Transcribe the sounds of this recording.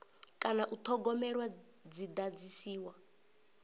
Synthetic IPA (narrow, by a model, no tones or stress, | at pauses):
kʼanaʔut̪ʰɔɡɔmɛɺwa | d͡zid̪ad͡zisiːwa